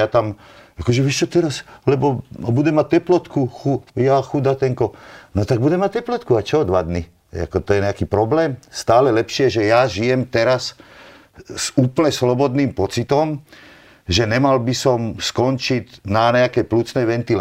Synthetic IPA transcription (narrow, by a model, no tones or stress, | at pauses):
jat̪am | akɔʒɛʋjɛʃt͡ʃɔt̪ɛɾaslɛbɔbud̪ɛmat̪ɛplɔt̪kuxujaxud̪at̪ɛŋkɔnɔt̪aɡ̚bud̪ɛmat̚t̪ɛplɔt̪kuat͡ʃɔd̪ʋad̪ni | ɛa̰kɔt̪ɔjɛɲɛakiːpɾɔblɛːmst̪aːlɛlɛpʃɪɛʒɛjaʒijɛmt̪ɛɾas | suːpl̩ɲɛslɔbɔd̪niːmpɔt͡sit̪ɔm | ʒɛnɛmalbisɔmskɔnt͡ʃinaɲɛakɛjplut͡snɛjʋɛnt̪il